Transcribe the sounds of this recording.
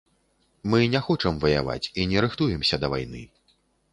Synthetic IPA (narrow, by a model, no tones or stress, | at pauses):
mɨnʲɛxɔt͡ʂɐmvɐja̰va̰t͡sʲinʲɛɾɨxt̪ujɛmsʲɐd̪ɐva̰jnɨ̰